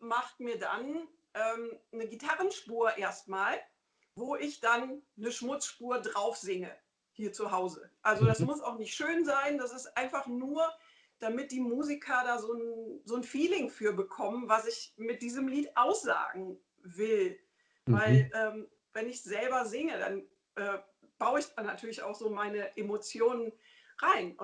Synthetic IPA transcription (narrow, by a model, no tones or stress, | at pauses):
maχtmiːɐda̰n | ʔɛːmnəɡitʰaʁənʃpuːɐʔeːɐstmaːl | voːʔɪçd̥anːəʃmʊt͡sʃpuːɐdʁaʊfz̥ɪŋə̰ | hiːɐt͡suɦaʊzəʔalzodasmʊs̬aʊχnɪçtʃøːnzaɪnd̥as̬ɪstʔaɪnfaχnuːɐ | d̥amɪt̚d̥iːmuːzikʰɐdaːzoːnzoːnfiːlɪŋfyːɐbəkʰɔmənvasɪçmɪt̚d̥iːzəmliːtʔaʊsz̥a̰ːɡŋ̩ | vɪl | vaɪlʔɛːm | vɛnɪçz̥ɛlbɐzɪŋəda̰n | ʔɛː | b̥aʊəɪçd̥aːnatʰyːɐlɪça̰ʊxz̥oːmaɪnəʔemot͡sjoːnən | ʁaɪn